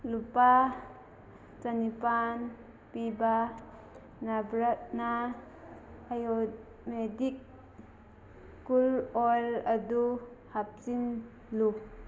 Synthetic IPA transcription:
lupa | t͡sanipan | piba | nabɾat̚na | jo | medik̚ | ulɔjlad̪uhap̚sin | lu

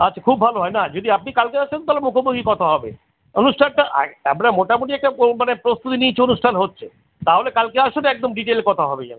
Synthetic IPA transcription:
atːʰakʰubːʱaloɦɔenad͡ʑod̪iap̚nikalkeaʃont̪alemukʰoboɡikɔt̪ʰaɦɔbḛ | onuʃʈʰanʈaʔa̰a̰mɾamoʈamuʈiɛk̚ʈamanepɾost̪ut̪init͡ɕʰeonuʃʈʰanɦotːɕʰe | t̪aɦolekalkeaʃonɛk̚d̪omɖiʈelkɔt̪ʰaɦɔbeja̰ne

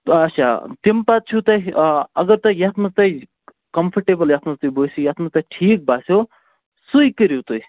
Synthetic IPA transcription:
ɐt͡ʃʰa̰t̪impat͡ʃʰut̪ɐiɐɡəɾt̪ɐjat̪ʰmɐzt̪ɐi | kɐmpʰəɾʈebəljaːt̪ʰmɐzt̪ɐjbosojaːt̪mɐzt̪aʈʰiːk̚baːso | sujkəɾjot̪ui

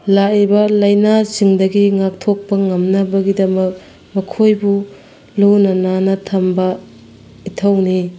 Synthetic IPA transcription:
laibɐlɐjnasiŋdɐɡiŋak̚tʰok̚pɐŋɐmnɐbɐɡidɐmɐk̚ | mɐkʰojbu | lunɐnanɐtʰɐmbɐ | itʰɐwni

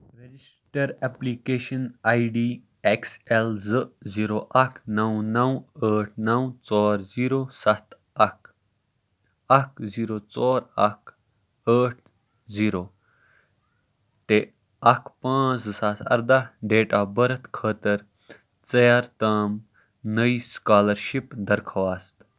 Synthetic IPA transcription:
ɾed͡ʒisʈɐɾepliːkeːʃɐnaːiɖiː | ekselzɨziːɾoːʔɐkʰnɐwnɐwəːʈʰnɐwt͡soːɾziːɾoːsɐt̪ | ɐk | ɐkʰziːɾoːt͡soːɾɐk | əːʈ̚ʰ | ziːɾoː | t̪e | ɐkʰpãːt͡sɨsɐt̪ʰɐ̰ɾd̪aɖeːʈaːbɐɾɐt̪kʰəːt̪ɐɾ | t͡sɐjaːɾt̪aːm | nɐiskaːlɐɾʃipd̪ɐɾkʰɐʋaːst̪

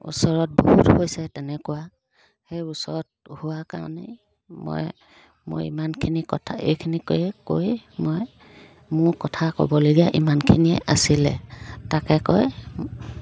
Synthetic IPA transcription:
ṵsɔɹɔt̚bo̰huthojsɛtɛnɛkʊwa | hejusɔɹɔt̚hʊwaka̰ɹɔ̰nḛ | mɔ̰j | mʊ̰jḭmankʰinikɔtʰaḛjkʰinikojɛkojmɔj | mʊɹkɔtʰakɔ̰bɔloɡiaʔimankʰiniɛʔasilɛ̰takɛkɔj

